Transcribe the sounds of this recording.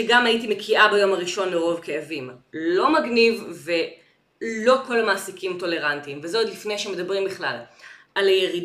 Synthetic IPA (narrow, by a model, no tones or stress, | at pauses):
ʃeɡamajitimekʰiʔabajo̞maʁiʃo̞nleʁo̞vkeavimlo̞maɡnivve̞ | lo̞ko̞lamaːsikimto̞le̞ʁantimvezodlifnejʃemed̪abʁimbiχla̰lʔalajeʁid